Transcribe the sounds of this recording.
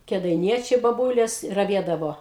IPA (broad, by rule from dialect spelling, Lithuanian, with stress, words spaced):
kʲɛdɐɪˈnʲiɛt͡ʃʲɛɪ bɐˈbuːlʲeːs rɐˈʋʲiɛdɐʋoː